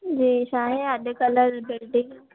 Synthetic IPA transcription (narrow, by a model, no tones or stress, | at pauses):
d͡ʑiːɕaɦeəɗ̪kələɾbɪlɖɪ̃ŋɡ